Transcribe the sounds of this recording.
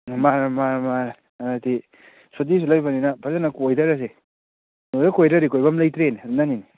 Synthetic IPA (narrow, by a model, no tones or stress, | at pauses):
mamama | ti | sot̬is̬ulajbaninɐpʰazanɐkojdɐɾas̬e | nodakojɾɐɾikojbɐmlajtɾennanini